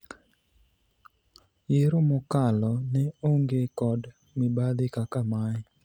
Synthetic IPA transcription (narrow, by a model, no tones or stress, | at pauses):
jɪɾomɔkalɔnɛoŋɡekɔd | mɪbad̪ɪkakamaj